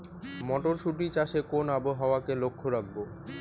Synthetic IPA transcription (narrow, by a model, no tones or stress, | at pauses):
mɔʈoɾʃuʈ̬it͡ɕaʃekonaboɦaoakelokʰːoɾak̚ʰbo